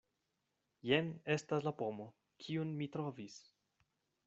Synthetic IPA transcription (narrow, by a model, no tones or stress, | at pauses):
jene̞staslapo̞mo̞ | kʰiunmitɾo̞vis